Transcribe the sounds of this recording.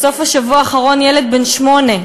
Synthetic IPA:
so̞faʃavuaːχaʁo̞njeled̪̚benʃmo̞ne

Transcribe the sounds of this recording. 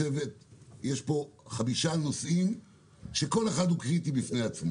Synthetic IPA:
evetjeʃpo̞χabiʃano̞sʔim | ʃe̞ko̞le̞χad̪hukʁitibifnejat͡smo

